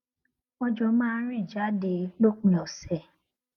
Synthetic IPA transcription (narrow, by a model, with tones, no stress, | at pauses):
ɔ˧d͡ʒɔ˧˦mãː˦ɾ̃ĩ˦˨d͡ʒa˨˦de˧˨˦lo˦˨k͡pĩ˧˨ɔ˨sɛ˨